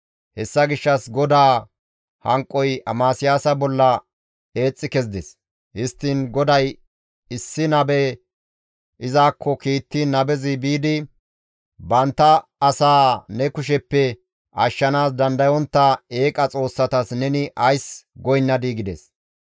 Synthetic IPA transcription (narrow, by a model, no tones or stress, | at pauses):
hɛsːɐɡɪʃːɐsɡɔd̪aː | hɐŋkʼːɔjɐ̰maːsɪjaːsɐbɔlːɐ | e̞ːt͡sʼːɪkɛzd̪ɛs | hɪst̪ːɪnɡɔd̪ɐj | ɪsːɪnɐbɛ | ʔɪzaːkːɔkiːt̪ːɪnɐbɛzɪbiːd̪ɪ | bɐnt̪ːɐːsaːnɛkʊʃ̬ɛpːɛ | ʔɐʃːɐnaːs̬d̪ɐnd̪ɐjɔnt̪ːɐe̞ːkʼɐt͡sʼo̞ːsːɐt̪ɐsnɛnɪʔɐjsɡɔjnːɐd̪iːɡɪd̪ɛs